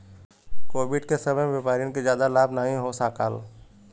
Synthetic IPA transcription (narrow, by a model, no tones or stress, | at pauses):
koːbɪɖkesəbəmʋepaːɾijõkezjaːd̪alaːbnaːɦĩɦosaːka̰l